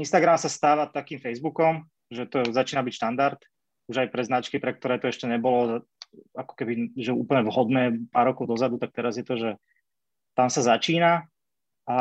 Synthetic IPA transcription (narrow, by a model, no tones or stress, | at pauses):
inst̪aɡɾamsast̪aːʋat̪akiːmfɛjzbukɔm | ʒɛt̪ɔzat͡ʃiːnabicʃt̪and̪aɾt̪ | uʒajpɾɛznat͡ʃkipɾɛk̚t̪ɔɾɛːt̪ɔɛʃcɛɲɛbɔlɔ | akɔ̥kɛbiʒɛuːpl̩ɲɛʋɦɔd̪nɛːpaːɾːɔkɔʊd̪ɔzad̪ut̪ak̚t̪ɛɾazjɛt̪ɔʒɛ | t̪amsazat͡ʃiːna | a